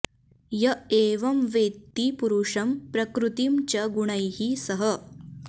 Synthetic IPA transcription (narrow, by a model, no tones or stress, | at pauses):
jɐeːʋɐmʋeːt̪ːipuɾuʂɐmpɾɐkɾut̪imt͡ɕɐɡuɳ̃ɐjɦisɐɦɐ